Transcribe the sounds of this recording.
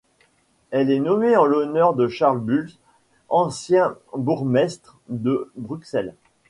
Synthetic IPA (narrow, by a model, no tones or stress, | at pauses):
ɛlɛnɔmeɑ̃lɔnœʁd̪əʃaʁlbyls | ɑ̃sjɛ̃buʁmɛst̪χd̪əbʁyksɛl